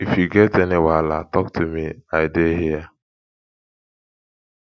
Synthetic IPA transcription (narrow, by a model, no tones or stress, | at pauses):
ifjuɡetenɪwalatɔk̚tʰumiaɪdeɦija